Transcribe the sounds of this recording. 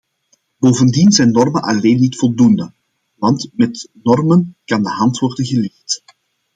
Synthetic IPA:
boːvəndinzɛjnːɔrmənʔɑleːnːitfɔlˠdundə | ʋɑntmɛtnɔrmənkɑndəɦɑntʋɔrdənɣəlɪxt

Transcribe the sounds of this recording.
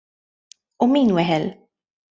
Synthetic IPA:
ʊmiːnwɛħɛl

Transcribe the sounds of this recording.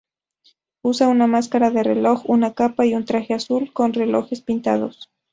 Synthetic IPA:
usaunamaskaɾaðerḛlo̞xunakapaiunt̪ɾaxeasulkonrelo̰xe̞spint̪a̰ðo̰s

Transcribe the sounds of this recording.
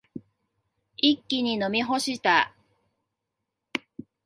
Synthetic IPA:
ikʲːiɲ̟ino̞mʲiɦo̞ɕit̪a

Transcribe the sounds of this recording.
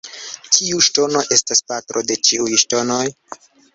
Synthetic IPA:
kʰiuʃto̞no̞ʔe̞staspatɾo̞de̞t͡ʃiujʃto̞no̞j

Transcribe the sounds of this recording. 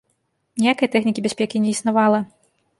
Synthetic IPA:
nʲijakɐjɐt̪ɛxnʲikʲibʲasʲpʲɛkʲinʲɛisnavalˠɐ

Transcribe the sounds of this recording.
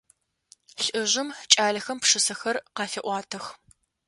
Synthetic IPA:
ɬʼʔɨʑɪmt͡ʃʼaːɮɐxɐmpʂɨsɐxɐrqɑːfɐʔʷɑːtʰɨx

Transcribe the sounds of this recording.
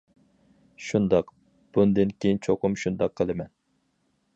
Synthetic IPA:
ʃund̪ɑq | b̥und̪ɨnkʲʰejnt͡ʃʰoqʰʊmʃund̪ɑqʰːəlˠɨmɛn

